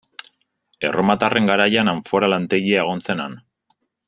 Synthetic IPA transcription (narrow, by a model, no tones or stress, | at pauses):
e̞̰ro̞mat̪are̞ŋɡaɾajanaɱfo̞ɾalant̪e̞ɣiaeɣ̞o̞nse̞nan